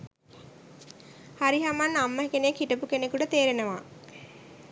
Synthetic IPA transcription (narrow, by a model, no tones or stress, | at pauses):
haɾiɦamanːamːəɦekenekhiʈəpukenekuʈət̪eːɾenəʋa